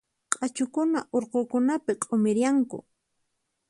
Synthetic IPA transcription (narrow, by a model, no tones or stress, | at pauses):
qʼat͡ʃʊkʊnaʔoɾqokʊnapɪqʼomɪɾjaŋkʊ̰